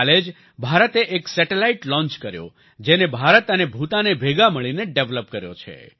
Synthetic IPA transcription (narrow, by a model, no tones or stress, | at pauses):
led͡ʒ | bʱaɾət̪eʔeksɛʈelaiʈlɔ̃nt͡ʃkəɾjo̰ | d͡ʒenebʱaɾət̪ənebʱut̪anebʱeɡaməɭineɖeʋləp̚kəɾjo̰t͡ʃʰḛ